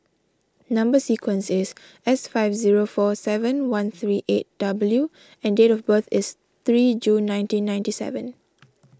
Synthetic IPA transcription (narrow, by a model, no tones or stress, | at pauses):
nãmbəsikʰwə̃nsɪs | ɛsfaɪfziɹofɔsɛvə̃nwãnθɹiʔet̚d̥abəlju | ɛ̃ndetɔfbəθɪs | t̪ɹid͡ʒũnːãj̃ntĩnːãj̃ntisɛ̰və̃n